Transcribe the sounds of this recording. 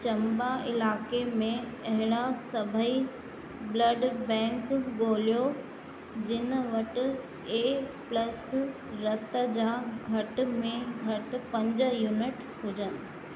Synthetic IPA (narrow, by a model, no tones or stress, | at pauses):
t͡ɕɐ̃mbaɪlaːkemẽɐɦɪɽ̃asɐbʱəi | blɐɖbɛ̃ːŋkɡoːlijo | d͡ʑɪnə̆ʋɐʈɪ̆ | eːplɐs | ɾɐt̪ə̆d͡ʑaːɡʱɐʈ̆mẽɡʱɐʈ̆pɐ̃ɲd͡ʑəjuːnɪʈ | ɦʊd͡ʑənɪ̆